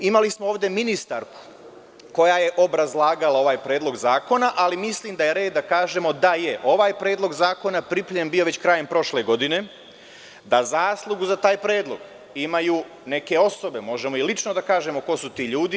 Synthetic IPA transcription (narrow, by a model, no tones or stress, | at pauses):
imalismooːʋd̪e̞minist̪aɾku̥ | ko̞jaje̞ʔo̞bɾazlˠaːɡalao̞ʋaːjpɾe̞ːd̪lˠo̞ɡzaːko̞naʔalimislˠiːmd̪aje̞ɾe̞ːd̪ːakaːʒe̞mo̞d̪ajeʔo̞ʋaːjpɾe̞ːd̪lˠo̞ɡzaːko̞napɾipʎembio̞ʋe̞t͡ɕkɾaje̞mpɾo̞ʃle̞ɡo̞d̪ine̞ | d̪azaːslˠuɡuzat̪aːjpɾe̞ːd̪lˠo̞̰ɡ̥ | imajuː | ne̞ke̞o̞so̞be̞mo̞ʒe̞mo̞ilit͡ʃnod̪akaːʒe̞mo̞ko̞sut̪iːʎuːd̪i